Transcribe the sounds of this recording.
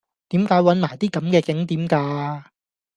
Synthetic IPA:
t̪iː˨˥mkaː˨˥jwɐ˨˥nmaː˨˩jt̪iː˥kɐ˨˦mkɛː˧kɪ˨˥ŋt̪̬iː˨˥mkaː˧

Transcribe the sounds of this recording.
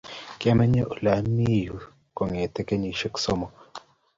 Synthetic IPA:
ki˦a˦mɛ˦ɲe˦ʔu˨la˨˦mi˦˨ju˨ | ko˨ŋe˨te˦ke˦ɲi˨ʃe˦kso˦mɔ˨

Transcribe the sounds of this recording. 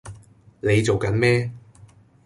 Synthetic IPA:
ne˨˧jt͡so˨wkɐ˨˧˥nmɛː˥

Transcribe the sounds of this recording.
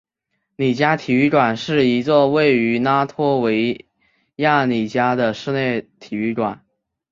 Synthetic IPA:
ni˨˩t͡ɕja˥t̪ʰi˨˩y˥˩kwa˨˩nʂɻ̩˥˩i˧˥t͡swɔ˥˧we˥˩ɪy˧˥na˥t̪ʰwɔ˥we˧˥ɪ | ja˥˩ni˨˩t͡ɕja˥d̪ə˨ʂɻ̩˥˧ne˥˩ɪt̪ʰi˨˩y˥˩kwa˨˩˦n

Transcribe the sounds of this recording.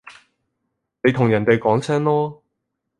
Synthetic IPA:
ne˨˧jt̪ʰʊ˨ŋjɐ˨˩nt̪e˨jkɔː˨˥ŋsʰɛː˥ŋlɔː˥

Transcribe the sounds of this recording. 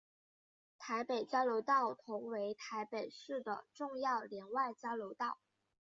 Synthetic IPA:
t̪ʰa˧˥ɪpe˨˩ɪt͡ɕjɑ˥ʊljo˧˥ʊt̪ɑ˥˩ʊt̪ʰʊ˧˥ŋwe˧˥ɪt̪ʰa˧˥ɪpe˨˩ɪʂɻ̩˥˩d̪ə̰˩ʈ͡ʂʊ˥˧ŋjɑ˥˩ʊljɛ˧˥nwa˥˩ɪt͡ɕjɑ˥ʊljo˧˥ʊt̪ɑ˥˩ʊ

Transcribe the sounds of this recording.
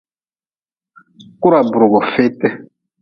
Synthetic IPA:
ku˦ɾa˨bɾɔ˨ɣɔ˨fɪ˦tɛ˦

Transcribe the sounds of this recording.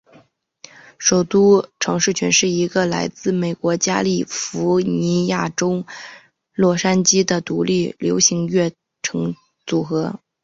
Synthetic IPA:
ʂo˨˩ʊt̪u˥ʈ͡ʂʰɤ˧˥ŋʂɻ̩˥˩t͡ɕʰɥɛ˧˥nʂɻ̩˥˩i˧˥ɡə˧la˧˥ɪt͡sɹ̩˥˩me˨˩ɪkwɔ˧˥t͡ɕja̰˥li˥˩fu˧˥ni˧˥ja˥˩ʈ͡ʂo˥ʊ | lwɔ˥˩ʂa˥nt͡ɕi˥d̪ə˨t̪u˧˥li˥˩ljo˧˥ʊɕi˧˥ŋɥɛ˥˩ | ʈ͡ʂʰɤ˧˥ŋ | t͡su˨˩xɤ˧˥

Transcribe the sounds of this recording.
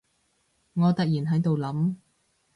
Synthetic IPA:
ŋɔː˨˧t̪ɐ˨k̚jiː˨˩nɦɐ˨˥jt̪o˨wlɐ˨˥m

